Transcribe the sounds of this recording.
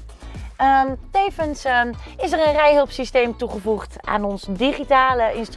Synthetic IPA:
ətejvəns | ɪs̬ɛrənrɛjɦɵlˠpsistejmtuχəvuχta̰ːnɔnsdiχitaːləʔɪnst

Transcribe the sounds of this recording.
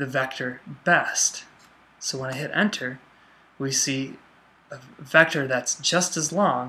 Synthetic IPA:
ðɨvɛk̚tʰə˞bɛst | soʊwə̃nɨɪɦɨɾɛ̰̃ntʰə˞ | wisi | əvɛk̚tə˞ðætsd̥ʒ̥ʌstɨzlɔ̃ŋ

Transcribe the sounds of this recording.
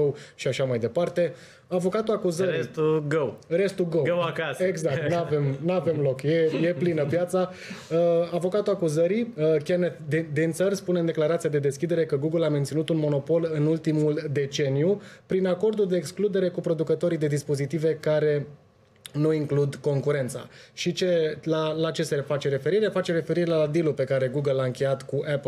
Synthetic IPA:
owʃiaʃamajd̪e̞part̪e̞ | avo̞kat̪uakuzəɾist̪uɡowɾe̞st̪uɡowkeɡzak̚t̪nave̞mnave̞mlo̞kje̞je̞plinəpjat̪sa | avo̞kat̪uakuzəɾiəkʲand̪id̪int̪sərʲspunend̪e̞klaɾat̪sijad̪e̞d̪e̞skʲid̪e̞ɾe̞kəɡuɡɨlament̪sinut̪unmo̞no̞po̞lɨnult̪imuld̪e̞t͡ʃe̞nijupɾinako̞rd̪uld̪eːksklud̪e̞ɾe̞kupɾo̞d̪ukət̪o̞ɾijd̪e̞d̪ispo̞zit̪ive̞kaɾe̞ | nuiŋklud̪ko̞ŋkuɾe̞nt̪sa̰ʃit͡ʃe̞lalat͡ʃe̞sefat͡ʃe̞ɾe̞fe̞ɾiɾefat͡ʃeɾe̞fe̞ɾiɾeelad̪ilupe̞kaɾe̞ɡuɡəlaɨŋkʲe̞jat̪kuʔɛpl

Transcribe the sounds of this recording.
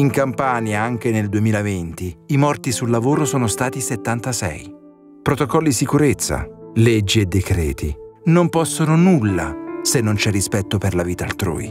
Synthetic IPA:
iŋkampaːnjaaŋk̟eneld̪uemiːlavent̪iːmɔrt̪isulːavoːɾosɔːnost̪aːt̪iset̪ːant̪asɛ̰j | pɾot̪okɔlːisikuɾet̪sːa̰led͡ʒːied̪ːekɾɛ̰ːt̪ḭnompɔsːononulːa̰senːont͡ʃɛrːispɛt̪ːoperlaviːt̪aːlt̪ɾṵːḭ

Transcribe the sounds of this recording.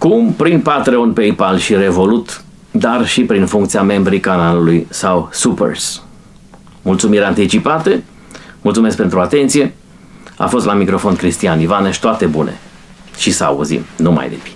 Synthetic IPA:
kumpɾinpat̪ɾeo̞npeipalʃiɾe̞vo̞lut̪ | d̪arʃipɾinfuŋkt̪siame̞mbɾikanalulujsawsupḛrs | mult̪sumiɾeant̪it͡ʃipat̪ə | mult̪sumesk̚pe̞nt̪ɾuat̪e̞nt̪sije̞ | a̰fo̞st̪lamikɾo̞fo̞nkɾist̪ianivanəʃt̪oat̪e̞bunḛ | ʃisəa̰ṵzḭmnuma̰jd̪epi̥

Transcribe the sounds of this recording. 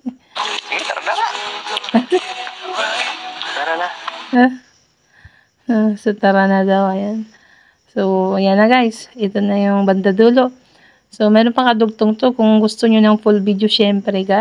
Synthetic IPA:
t̪ɐɾɐd̪awa | t̪ɐɾana | osɐt̪ɐɾanad̪ɐwɐjan | sojanɐɡajsʔɪt̪onɐjʊŋbɐnd̪aɐd̪uːloʔ | somɛːɾonpɐkɐd̪ʊɡ̚t̪oŋt̪okʊŋɡʊst̪oɲonɐŋfʊlbid̪joʃɛmpɾɛɡa

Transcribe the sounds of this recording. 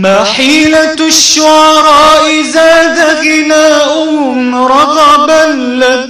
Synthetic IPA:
maħiːla | ʃːʊʕɑɾˤɑːʔɪzaːd̪aɣɪnaːʔʊ | nɾˤɑɣɑbanːa

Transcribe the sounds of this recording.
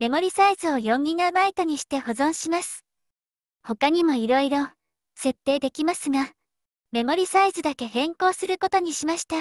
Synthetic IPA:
me̞mo̞ɾʲisaizɨo̞jõ̞ŋɡʲiŋaɯmait̪oɲ̟iɕi̥t̪e̞ho̞zõ̞ɰ̃ɕimasɨ̥ | ho̞kaɲ̟imo̞iɾo̞iɾo̞ | se̞t̪ːe̞ːd̪e̞kʲimasɨɡa | me̞mo̞ɾʲisaizɨd̪ake̞hẽ̞ŋko̞ːsɨɾɯ̟ko̞t̪o̞ɲ̟iɕimaɕi̥t̪a

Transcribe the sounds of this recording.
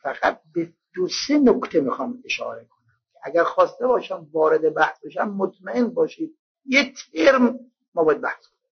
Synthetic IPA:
fæɣ̥æ̰t̪̚be | d̪̥osenokt̪ʰemixɒːmeʃɒ̰ːɾekʰonæmkʲʰeʔæɡæɾxɒːst̪ebɒːʃæmvɒːɾed̪ebæhsbeʃæmːot̪mæenbɒːʃiːd̪̚ | jet̪ʰeɾm | mɒːbɒːjæd̪̚bæhskononi

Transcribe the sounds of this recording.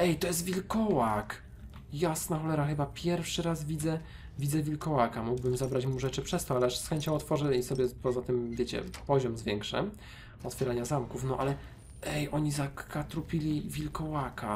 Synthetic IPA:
ɛjt̪ɔjɛs̬t̪vʲilkɔwak | jasnaxɔlɛɾaxɘbapʲjɛɾfʂɘɾazvʲizɛ | vʲid̪zɛvʲilkɔwakamuɡbɘmzabɾat͡ɕmuʐɛt͡ʂɘpʂɛst̪ɔalɛaʂsxɛɲt͡ɕɔ̃w̃ɔt̪fɔʐɛisɔbʲjɛpɔzat̪ɘmvʲjet͡ɕɛ̰pɔʑɔmzvjɛŋkʂɛ̰ | ɔt̪fʲjɛɾaɲazamkufnɔʔalɛ | ʔɛjʔɔɲizakat̪ɾupʲilʲivʲilkɔwaka

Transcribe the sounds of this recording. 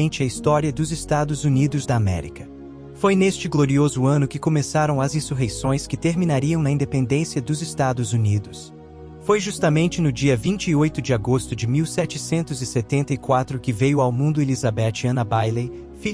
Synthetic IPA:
ẽnt͡ʃɪɐist̪ɔɾiɐd̪ʊzɪst̪ad̪ʊzunid̪ʊzd̪ɐːmɛ̰ɾḭkɐ̥ | fojnest͡ʃɪɡloɾiozʊɐ̃nʊkɪkõmesaɾɐ̃w̃ɐzĩsuɦesõj̃skɪt̪eɾmĩnaɾiɐ̃w̃nɐĩnd̪epẽnd̪ẽsiɐd̪ʊzɪst̪ad̪ʊzunid̪ʊs | fojʒust̪ɐmẽnt͡ʃɪnʊd͡ʒiɐvĩnt͡ʃɪːojt̪ʊd͡ʒɪaɡost̪ʊd͡ʒɪmiwsɛt͡ʃɪsẽnt̪ʊzɪset̪ẽnt̪ɐikwat̪ɾʊkɪvejʊawmũnd̪ʊelizabɛt͡ʃɪɐ̃nɐbajle | fi

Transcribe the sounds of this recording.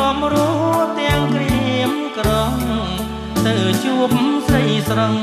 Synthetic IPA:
ɔəmrɔt̪ɛ̆əŋkriəmkroŋ | t̪ɨwt͡ɕuəp̚srəjsrəŋ

